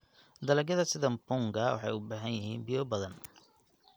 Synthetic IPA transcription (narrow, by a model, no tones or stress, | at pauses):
d̪ɐlɐɡjɐðɐsɪðɐmbʊŋɡɐwɑ̰ħɑ̰jʊbaːɦɐnjɪɦiːnbijɔbɐðɐn